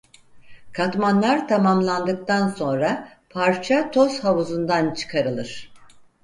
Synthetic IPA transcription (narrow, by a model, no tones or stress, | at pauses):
kʰat̪manlˠaɾt̪ʰamamlˠand̪ɯk̚t̪ʰanso̞nɾa | pʰaɾt͡ʃʰat̪ʰo̞shaβuzund̪ant͡ʃʰɯ̥kʰaɾɯlˠɯɾ̥